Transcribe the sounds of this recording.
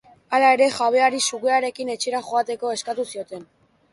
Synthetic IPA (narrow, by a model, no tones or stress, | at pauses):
alae̞ɾe̞xaβ̞e̞aɾisuɣeaɾe̞kine̞t͡ʃeɾaxoat̪e̞ko̞e̞skat̪usio̞t̪e̞n